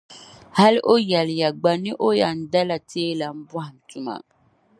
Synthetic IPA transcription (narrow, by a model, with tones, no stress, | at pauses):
ha˦lʔo˦jɛ˨lɪ˨ja˨ɡ͡ba˨ni˦ʔo˦ja˨n̩˨da˦la˨tʰeː˦la˨m̩˦ba˦a˨m̩˨tu˦ma̰˨